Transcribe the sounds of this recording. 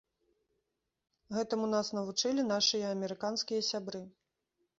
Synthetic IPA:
ɣɛt̪ɨmunasn̪ɐvut͡ʂɨlʲin̪aʂɨjɐɐmʲɛɾɨkanskʲijɐsʲabɾɨ

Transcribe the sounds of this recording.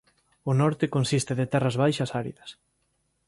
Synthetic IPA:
ʊnɔɾt̪ɪkonsist̪ɪðɪt̪ɛrɐzβajʃɐsaɾḭðɐs

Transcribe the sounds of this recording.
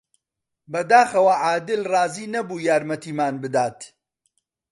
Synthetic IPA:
bɐd̪aːxɐwɐʕaːd̪ɨlrɑːziːnɐbuːjaːɾmɐt̪iːmaːnbɨd̪aːt̪

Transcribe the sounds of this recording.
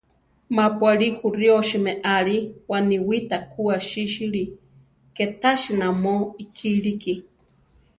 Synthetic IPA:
mapʷaɾihuɾjoʃimeʔaɾiwaniwit̪akʰuaʃiʃiɾi | ket̪aʃinamoikʰiɾiki

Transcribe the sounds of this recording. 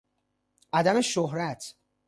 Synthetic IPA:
ʔæd̪æmeʃoɦɾæt̪ʰ

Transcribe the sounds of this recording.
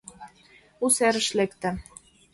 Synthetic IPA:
usæɾə̆ʃlekt̪æ̆

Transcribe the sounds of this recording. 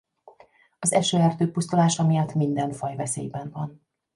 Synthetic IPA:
ɒzɛʃøːɛrt̪øːpust̪ulaːʃɒmijɒt̪mind̪ɛɱfɒjvɛsḛːjbɛɱvɒn

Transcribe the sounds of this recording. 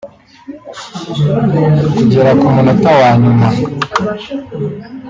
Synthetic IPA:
kuɟeɾakumunatawaɲuma

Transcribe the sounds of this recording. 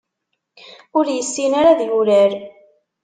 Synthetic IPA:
ʊɾjəsːinaɾaðjuɾæɾ

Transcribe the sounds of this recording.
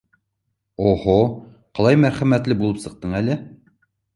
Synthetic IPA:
oho | qɑlˠɑjmæɾχæmæt̪lɘbulˠɤpsɤ̆q̚t̪ɤɴælɘ

